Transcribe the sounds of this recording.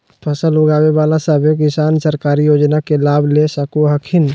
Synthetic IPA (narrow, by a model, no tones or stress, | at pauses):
pʰəsəlʊɡaːweʋaːlasaːbjok̬ɪsaːnsəɾkaːɾijoːd͡ʒnakelaːbʱlesəkuɦəkʰɪn